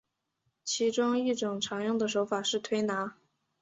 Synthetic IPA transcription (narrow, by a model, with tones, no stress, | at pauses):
t͡ɕʰi˧˥ʈ͡ʂʊ˥ŋi˥˩ʈ͡ʂʊ˨˩ŋʈ͡ʂʰɑ˧˥ŋjʊ˥˩ŋd̪ə˩ʂo˧˥ʊfa˨˩ʂɻ̩˥˩t̪ʰwe˥ɪna˧˥